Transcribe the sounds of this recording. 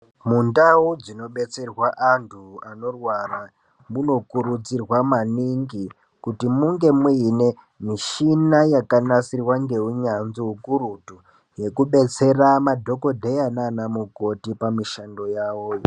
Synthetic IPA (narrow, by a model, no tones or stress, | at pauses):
mundaud͡zino̞ɓe̞t͡se̞rwaʔantʰuano̞rwara | muno̞kuɾud͡zirwamaniŋɡi | kutimuŋɡe̞mwiine̞ | miʃinajakanasirwaŋɡe̞uɲanziɦukuɾutu | je̞kuɓe̞t͡se̞ramadʱo̞ko̞dʱejananamuko̞tipamiʃando̞jawoːj